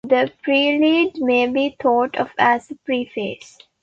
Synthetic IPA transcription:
d̪əpɾiːliːɖmeːbiːt̪ʰɔːʈʰɔfæzəpɾiːfḛːs

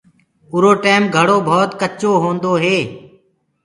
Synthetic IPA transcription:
ʊɾoːʈeːmɡʱəɽoːbʱɔːt̪kət͡ʃoːɦõːnd̪oːɦeː

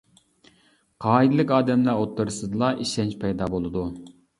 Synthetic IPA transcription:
qʰɑːid̪ɨlˠɨkʲɑːd̪ɛmlæot̪ʰːɨɾɨsɨd̪ɨlˠɑʔiʃɛnt͡ʃpʰɛjd̪ɑbolˠɨd̪u

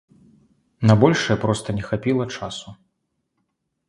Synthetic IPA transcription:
nɐbɔlʲʂɨjɛpɾɔst̪ɐnʲɛxapʲilˠɐt͡ʂasu

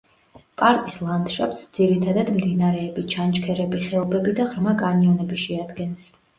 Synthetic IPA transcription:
pʼaɾkʼislˠand̪ʃap̚ʼt̪sd̪z̥iɾit̪ʰad̪ad̪md̪inaɾɛːbit͡ʃʰant͡ʃkʰɛɾɛbiχɛɔbɛbid̪aʁɾmakʼaniɔnɛbiʃɛad̪ɡɛns

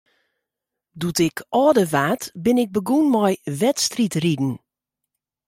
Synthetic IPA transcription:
dutɪkʰɔːdəʋaːtbɪnɪk̚bəɡunmɔjʋɛtstritridn̩

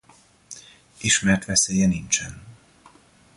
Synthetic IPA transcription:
iʃmɛrt̪ʋɛseːjɛnint͡ʃɛn

